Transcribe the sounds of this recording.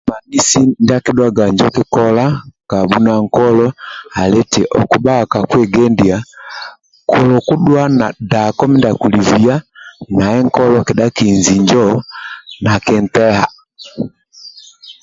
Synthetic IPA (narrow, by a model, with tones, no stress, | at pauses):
ma˨ni˦si˦nda˦kiɗwa˦ɡa˨ɲd͡ʒɔ˦ki˦kɔla˦ka˨bu˦naŋkɔ˦lɔ˦a˨lɛ˦tɛ˨ʔɔ̰˨ku˨ba˦˨ka˨kwɛ˦ɡɛ˦ndia˨ | kʰɔ˨lɔ˨ku˦ɗwa˦na˨da˨kɔ˦mi˦ndaku˨li˨vi˨a˦na˨ɛ˦ŋkɔ˦lɔkɛ˨ɗa˦kinzi˨ɲd͡ʒɔ | na˨kɛ˨ntɛ˦ha˨